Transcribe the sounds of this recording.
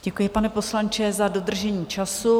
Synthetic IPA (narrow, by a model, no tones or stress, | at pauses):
ɟɛkujɪpanɛpo̞slaɲt͡ʃɛzado̞d̪r̩ʒɛɲiːt͡ʃasu